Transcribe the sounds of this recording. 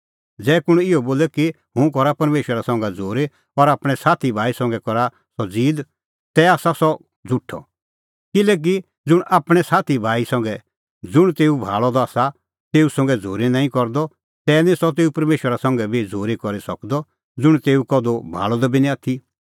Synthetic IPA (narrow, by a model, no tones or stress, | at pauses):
d͡zɛːkʊɽ̃ɪɔboːlɛki | ɦʊ̃kɔɾapɐɾmeːʃwəɾasɔ̃ŋɡad͡zʱoːɾe | ɔɾaːpɽ̃ɛsaːt̪ʰibʱaːisɔ̃ŋɡɛkɔɾa | sɔd͡ziːd̪ | t̪ɛaːsasɔ | d͡zʱʊʈʰːɔ̰ | kɪlɛːk̬i | d͡zʊɽ̃ʔaːpɽ̃ɛsaːt̪ʰibʱaːisɔ̃ŋɡɛ | d͡zʊɽ̃t̪eːubʱa̰ːɭɔd̪ɔaːsa | t̪eːusɔ̃ŋɡɛd͡zʱoːɾenaːĩkɔɾd̪ɔ | t̪ɛːnĩsɔt̪̬eːupɐɾmeːʃwəɾasɔ̃ŋɡɛbʱid͡zʱoːɾekɔɾisɔkd̪ɔ | d͡zʊɽ̃t̪eːukɔd̪obʱa̰ːɭɔd̪ɔbinĩaːt̪ʰi